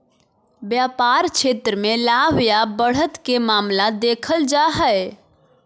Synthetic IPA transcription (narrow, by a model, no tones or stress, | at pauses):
bjapaɾt͡ʃʰet̪ɾəmelaɦjabəɽ̤ət̪kemamlad̪ekʰəld͡ʒaɦəj